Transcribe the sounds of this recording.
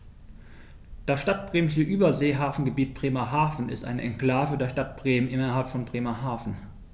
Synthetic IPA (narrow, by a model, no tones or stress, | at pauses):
d̥asʃtat̚b̥ʁeːmɪʃəʔyːbɐzeːɦaːfn̩ɡəbiːt̚b̥ʁ̥eːmɐɦaːfn̩ɪ̰stʔa̰ɪnəʔɛnkl̥aːvədeːɐʃtat̚b̥ʁeːmənʔɪnɐɦalpfɔnbʁeːmɐɦaːfn̩